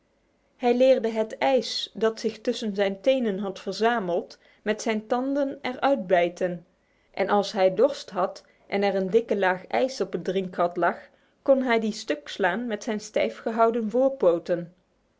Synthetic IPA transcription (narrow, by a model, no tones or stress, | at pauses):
hɛjlɪːɹdəɦətɛjsdɑtsɪxtɵsənzɛjntejnənɦɑtfəɹzaːməlˠt | mɛtsɛjntɑndənɛɹœɥd̚bɛjtən | ʔɛ̰nʔɑlˠsɦɛjdɔɹstɦɑt | ʔɛnɛrəndɪkəlaːxɛ̰jsɔpədrɪŋkɦɑtlɑx | kɔnɦɛjdistøkslaːnmɛtsɛjnstɛ̰jfχəɦɑwdənvʊːɹpowtən